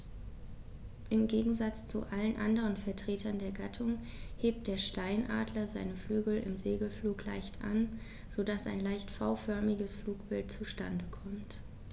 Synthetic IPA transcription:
ʔɪmɡeːɡŋ̩zat͡st͡sṵʔalənʔandəʁənfɛɐtʁ̥eːtʰɐndeːɐɡatʰʊŋ | heːp̚t̚d̥eːɐʃtaɪnʔa̰ːdlɐzaɪnəflyːɡl̩ɪ̰mzeːɡl̩fluːkla̰ɪçtʔa̰n | z̥odasa̰ɪnlaɪçtfaʊfœɐmɪɡəsfluːkb̥ɪltt͡suʃtandəkʰɔmt

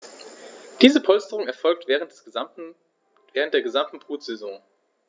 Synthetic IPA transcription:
d̥iːzəpʰɔlstəʁʊŋɛɐfɔlk̚tvʁə | v̥ɛːʁ̞əntd̥eːɐɡəzamtn̩bʁ̥uːtz̥ɛzɔ̃ŋ

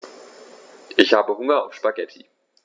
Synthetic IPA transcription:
ʔɪçhaːbəhʊŋɐ̰ʊfʃpaɡɛtʰḭ

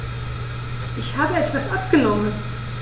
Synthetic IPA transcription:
ʔɪçhaːbəɛtv̥asʔap̚ɡ̥ənɔmən

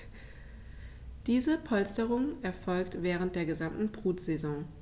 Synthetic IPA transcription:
d̥iːzəpʰɔlstəʁʊŋɛɐfɔlktv̥ɛːʁ̞ənt̚d̥eːɐɡəzamtn̩bʁuːtz̥ezɔ̃ŋ

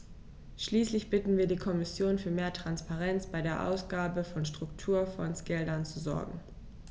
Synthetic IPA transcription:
ʃliːslɪçb̥ɪtn̩viːɐdiːkʰɔmɪsjoːnfyːɐmeːɐtʁ̥anspaʁɛnt͡sb̥aɪɾeːɐʔa̰ʊsɡ̥aːbəfɔnʃtʁ̥ʊktʰuːɐfɔ̰nsɡ̥ɛldɐnt͡suzɔ̰ɐɡŋ̩

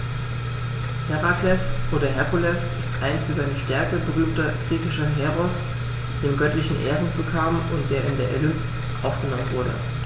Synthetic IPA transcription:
hɛʁaklɛsʔoːdɐɦɛpolɛsʔɪstʔaɪnfyːɐzaɪnəʃtɛɐkəbəʁyːmtɐɡ̥ʁiːçɪʃɐɦɛʁɔs | d̥eːmɡœtlɪçn̩ʔḛːʁən̩t͡suːkʰaːbm̩ʊnt̚d̥eːɐʔɪndeːɐʔelʏpt | ʔaʊfɡ̥ənɔmənvʊɐɾə̰

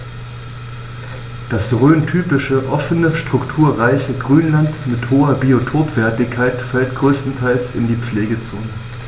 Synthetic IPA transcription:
d̥asʁøːntʰyːpɪʃəʔɔfənəʃtʁ̥ʊktʰuːɐʁaɪçəɡʁyːnlantmɪthoːɐbiotʰoːtv̥ɛɐtɪçkʰːaɪtfɛltɡ̥ʁøːstn̩tʰaɪlsɪndiːp͡fleːɡət͡soːnə

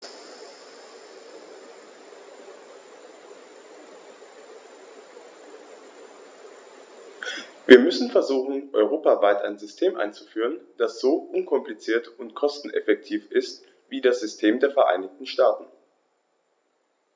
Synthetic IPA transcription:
viːɐmʏsn̩fɛɐzuːxn̩ʔɔʏʁ̞oːpavaɪtʔa̰ɪnzʏstʰeːmʔa̰ɪnt͡sufyːʁ̞ənd̥asz̥oːʔʊnkʰɔmplit͡siːɐtʊntkʰɔstn̩ʔɛ̰fɛk̚tʰiːfʔɪst | viːdasz̥ʏstʰeːmdeːɐfɛɐʔa̰ɪnɪçtn̩ʃtaːtn̩

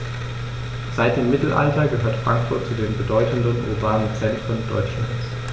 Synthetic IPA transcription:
z̥aɪt̚d̥eːmːɪtl̩ʔa̰ltɐɡəɦøːɐtfʁ̥aŋkfʊɐt̚t͡sudeːnbədɔʏtn̩dənʔʊ̰ʁbaːnənt͡sɛntʁ̥əndɔ̰ʏt͡ʃlans

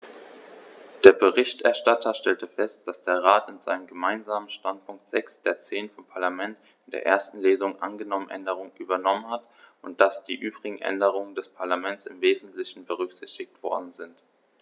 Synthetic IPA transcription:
d̥eːɐbəʁ̞ɪçtʔɛ̰ɐʃtatʰɐʃtɛltəfɛst̚d̥asd̥eːɐʁaːtɪnz̥a̰ɪnəmɡəmaɪnzaːmənʃtant̚pʰʊŋk̚tz̥ɛksd̥eːɐt͡seːnfɔmpʰaɐlamɛnt | ɪndeːɐʔḛːɐstn̩leːzʊŋʔa̰nɡənɔmənʔɛ̰ndəʁ̞ʊŋənʔyːbɐnɔmənhat | ʊnt̚d̥asd̥iːʔyːbʁɪɡŋ̩ʔɛ̰ndəʁ̞ʊŋəndɛspʰaɐlamɛnt͡sɪmveːzn̩tlɪçn̩bəʁ̞ʏkz̥ɪçtɪktv̥ɔ̰ɐdn̩zɪnt

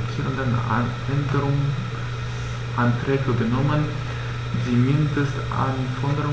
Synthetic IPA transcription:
t͡sʰiːɾəndəna̰ | ɛndəɾʊŋ | s | ʔant̪ɾɛːɡəɡənɔmən | zimɪndəst | a̰nfɔnd̪əɾʊ

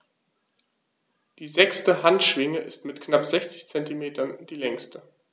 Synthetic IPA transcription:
d̥iːzɛkstəɦantʃv̥ɪŋəʔɪstmɪtknapz̥ɛçt͡sɪçt͡sɛntimeːtʰɐnd̥iːlɛŋstə

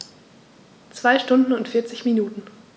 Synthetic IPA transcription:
t͡sv̥aɪʃtʊndn̩ʊntfɪɐt͡sɪçminuːtn̩

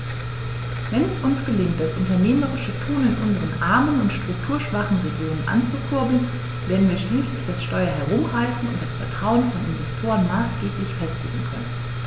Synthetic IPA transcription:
vɛnɛsʔʊnsɡ̥əlɪŋt̚d̥asʔʊntɐneːməʁɪʃətʰuːnɪnʔʊnzəʁənʔaɐmənʊntʃtʁ̥ʊktʰuːɐʃv̥aχn̩ʁezeʊnənʔa̰nt͡sukʰʊɐbl̩n | veːɐdn̩viːɐʃliːslɪçd̥asʃtɔʏɐɦɛʁ̞ʊmʁaɪsn̩ʊ̰nt̚d̥asfɛɐtʁ̥aʊənfɔnɪ̰nvɛstʰoːʁənmaːsɡ̥eːplɪçfɛstɪɡŋ̩kʰœ̰nən

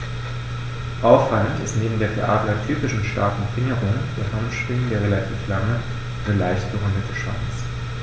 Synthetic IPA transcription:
ʔaʊfv̥aləntɪ̰stneːbm̩deːɐkʰeʔaːtəlɐtʰyːpɪʃn̩ʃta̰ɐkn̩fɪŋəʁʊŋd̥ḛːɐhanʃpʁ̥ɪŋədeːɐʁ̞elatʰiːflaŋə | anəlaɪçtb̥əvandətʰəʃv̥a̰nt͡s

